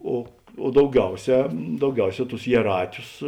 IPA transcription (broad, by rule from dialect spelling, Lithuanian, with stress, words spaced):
oː oː dɐʊˈɡʲɛʊˌsʲɛː dɐʊˈɡʲɛʊˌsʲɛː tʊs jiɛˈrɑːtʲʊs